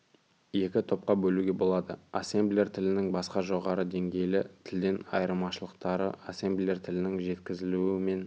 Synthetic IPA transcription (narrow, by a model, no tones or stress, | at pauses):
je̞kʲɪt̪ʰo̞p̚qɑbɵluɡʲe̞bo̞lˠɑd̪ə̰ase̞mblʲeɾt̪ʰɪlɪnɪŋbɑsqɑʒo̞ʁɑɾəd̪e̞ŋɡʲe̞jlɪt̪ʰɪld̪e̞nɑ̰jɾmɑʃəlˠəqt̪ɑɾə̰ʔase̞mbliert̪ʰɪlɪnɪŋʒe̞t̪kʲɪzɪluɪme̞n